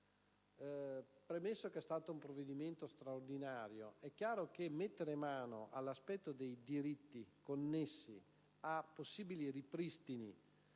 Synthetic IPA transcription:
pɾemesːokɛst̪aːt̪oumpɾovːed̪iment̪ost̪ɾaord̪inaːɾjoɛkːjaːɾok̟emːet̪ːeɾemaːnoʔalːaspɛt̪ːod̪ejd̪iɾit̪ːikonːesːḭ | apːosːiːbiliripɾist̪ini

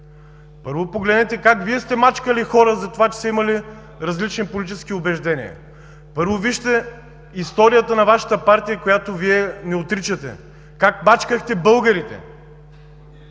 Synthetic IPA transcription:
pɤɾvopoɡlɛd̪nɛt̪ɛkakviɛst̪ɛmat͡ʃkəlixɔɾəzɐt̪ovat͡ʃɛ̥sɛimɐli | ɾɐzlit͡ʃnipolʲit͡ʃɛsk̟iobɛʒd̪ɛnʲḭə̰ | pɤɾvoviʃt̪ɛ | ist̪ɔɾijət̪ənɐvaʃɐ̥t̪əpaɾt̪ijəkojat̪oviɛnɛot̪ɾit͡ʃɐt̪ɛ̰ | kakmat͡ʃkəxt̪ɛbɤlˠɡɐɾit̪ɛ̰

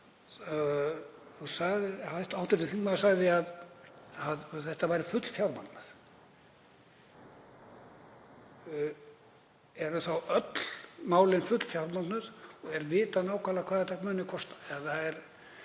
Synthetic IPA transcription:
usaɣðɪajht̪awt̪ʏɾt̪ɪθiŋnaðsaɣðɪað | aðθɛht̪avajɾɪfʏt̪l̥fjawɾma̰t̪nað̥ | ɛɾʏθawœt̪l̥maːwlɪnfʏt̪l̥fjawɾmat̪nʏðɔɣɛɾvɪːt̪anaːwkʰaːlakʰvaːðat̪akmœːnɪkʰɔst̪aɛðθaðɛɾ̥

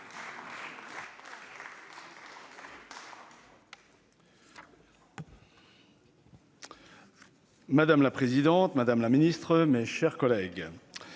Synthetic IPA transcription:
mad̪amlapχezid̪ɑ̃t̪mad̪amlaminist̪χəmeʃɛʁkɔlɛɡ

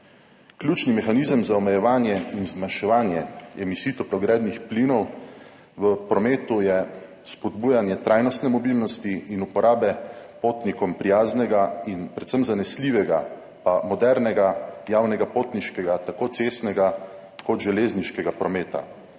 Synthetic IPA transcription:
kljuːt͡ʃnimɛxanizəmzaɔmɛjɛʋaːnjɛinzmanʃɛʋaːnjɛɛmisiːt̪ɔpɾɔɡɾɛːd̪nixpliːnɔw | ʋəpɾɔmeːt̪ujɛ | spɔd̪buːjanjɛt̪ɾʔaːjnɔst̪nɛmɔbilnɔst̪iːnupɔɾʔaːbɛpoːt̪nikɔmpɾijaːznɛɡainpɾɛt̪səmzanɛsliʋɛɡa | pamɔd̪ɛɾnɛɡajaːwnɛɡapoːt̪niʃkɛɡat̪akoːt̪sest̪nɛɡa | kɔt̪ʒɛleːzniʃkɛɡapɾɔmeːt̪a̰

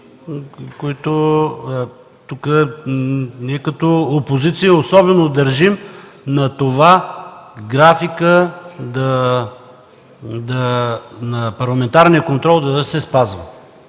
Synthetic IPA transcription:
koit̪o | t̪ukə | nɛkət̪oopozit̪sijəosɔbɛnod̪ɐɾʒimnɐt̪ova | ɡɾafikəd̪ɐ | d̪ɐnɐpɐɾlˠɐmɛnt̪aɾnijəkont̪ɾɔlˠd̪ɐsɛspazvə

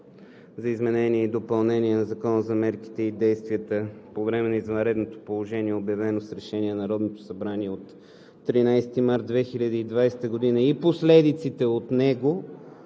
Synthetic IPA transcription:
zɐizmɛnɛniɛid̪opɐlˠnɛniɛnɐzɐkɔnəzɐmɛɾki̥t̪ɛid̪ɛjst̪viət̪əpovɾɛmɛnɐizvɐ̃nɾɛd̪not̪o̥polˠoʒɛniɛobjɐvɛnosɾɛʃɛniɛnɐɾɔd̪not̪o̥sɐbɾaniɛot̪ː | ɾinajst̪imaɾt̪̚d̪vɛxilʲɐd̪iid̪vajsɛ̥t̪əɡod̪inəiposlɛd̪it̪sit̪ɛot̪nɛɡo

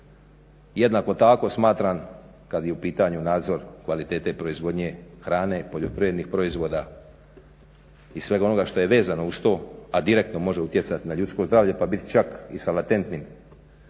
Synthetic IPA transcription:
je̞d̪nako̞t̪ako̞smaːt̪ɾan | kad̪jeupiːt̪aɲunaːd̪zo̞ɾkʋalit̪e̞ːt̪e̞pɾo̞izʋo̞d̪ɲe̞xɾaːne̞po̞ʎo̞pɾiʋed̪nixpɾo̞izʋo̞ːd̪a | isʋe̞ɡano̞ɡaʃt̪o̞jeʋe̞ːzano̞ust̪o̞ːad̪iɾe̞kt̪no̞mo̞ʒeut̪je̞t̪sat̪inaʎut̪sko̞zd̪ɾaːʋʎe̞pabit̪i̥t͡ʃakisalat̪e̞nt̪nin

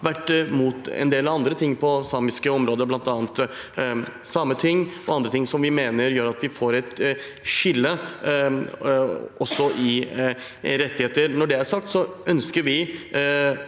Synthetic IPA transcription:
ʋæʈːmuːt̪ɛ̰nd̪eːlɑʋɑnd̪ɾət̪ʰɪŋːpʰɔsɑːmɪskəɔmɾoːd̪əɾblɑnt̪ɑːnt̪ | sɑmːət̪ʰɪŋːʔɔɑnd̪ɾət̪ʰɪŋːsɔmʋɪmeːnəɾjøːɾɑt̪ʋɪfoːɾɛt̪ | ʂɪlːə | ɔsːɔʔɪ | ɾɛt̪ːɪheːt̪əɾnɔɖɛæɾʂɑk̚t̪sɔœnskəɾʋɪ

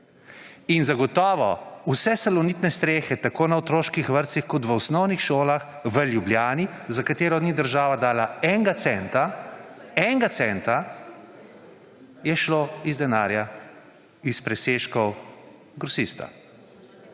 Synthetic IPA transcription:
inzaɡɔt̪ɔːʋɔusɛsɛlɔnit̪nɛst̪ɾeːxɛt̪akoːnaɔt̪ɾoːʃkixʋəɾt̪sixkɔt̪ʋəɔsnɔwnixʃoːlax | ʋəljubljaːnizakat̪eːɾɔd̪nid̪əɾʒaːʋad̪aːlaɛŋɡat̪sɛnt̪a | ɛŋɡat̪sɛnt̪a | jɛʃloizd̪ɛnaːɾja | ispɾɛseːʃkɔw | ɡɾɔsist̪a̰

